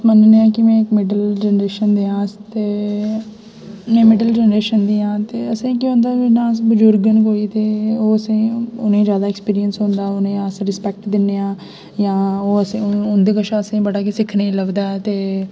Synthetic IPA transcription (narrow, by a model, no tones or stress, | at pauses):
mənneːãːkɪmɛ̃ːkmɪɖəld͡ʒɛːnɾeːʃənd̪eːãːt̪eː | mɛ̃ːmɪɖəld͡ʒɛːnəɾeːʃənd̪iːãːt̪eːəsĩːkɪɦõːnd̪aːinãːbəd͡ʒʊɾɡənkoːiːt̪eːoːəsĩːʊnẽːd͡ʒjaːd̪aːekspiːɾiənsɦõːnd̪aːʊnẽːasɾɪspɛk̚ʈd̪ɪnːeːãː | jãːoːəsĩʊnd̪eːkəʃʰaəsĩːbəɽaːkesɪkʰneiləʋd̪aːɛt̪eː